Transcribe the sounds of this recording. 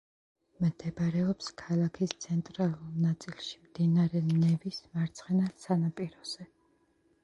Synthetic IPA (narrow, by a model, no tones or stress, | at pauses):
md̪ʰɛbɾɛɔpskʰalˠakʰist̪sʰɛnt̪ʼɾalˠulnat̪sʼilˠʃi̥md̪̥inaɾɛnɛvismaɾt̪sʰχɛnassanapʼiɾɔz̥ɛ